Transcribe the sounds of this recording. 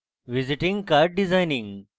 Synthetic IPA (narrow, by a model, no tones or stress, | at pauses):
ʋɪzɪʈɪ̃ŋɡkaːɾɖ̚ɖɪzaːɪnɪ̃ŋ